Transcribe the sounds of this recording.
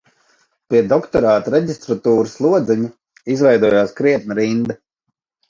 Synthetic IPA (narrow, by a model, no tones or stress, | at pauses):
piɛd̪ɔkt̪ɔɾaːt̪uɾɛɟist̪ɾat̪uːɾuslˠuɔd̪zɛɲu | izvɛjd̪uɔjaːskɾiɛt̪̚nuɾind̪a